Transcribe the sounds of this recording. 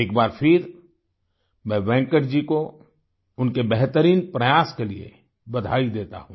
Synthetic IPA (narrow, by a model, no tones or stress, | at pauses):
eːk̚baːɾpʰɪɾ | mɛ̃ːbɛ̃ːŋkəɾd͡ʒiko | ʊnkebɛɦt̪əɾiːnpɾɐjaːskeliḛ | bɐd̪ʱaːid̪eːt̪a̰ɦũː